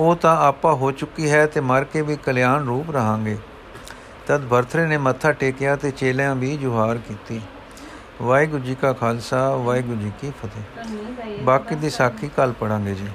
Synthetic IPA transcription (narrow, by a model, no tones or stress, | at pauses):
oːt̪ãːaːpãːɦoːt͡ʃʊkːiːɦɛːt̪eːməɾkeːʋiːkəlɪjaːnɾuːpɾəɦãːŋɡeː | t̪əd̪bʱəɾt̪ʰɾeːneːmət̪ʰːaːʈeːkɪjaːt̪eːt͡ʃeːljãːbiːd͡ʒʊɦaːɾkiːt̪iː | ʋaːiːɡʊd͡ʒiːkaːkʰaːlsaːʋaːiːɡʊd͡ʒiːkiːpʰət̪eː | baːkiːd̪iːsaːkʰiːkəlpəɽãːŋɡeːd͡ʒiː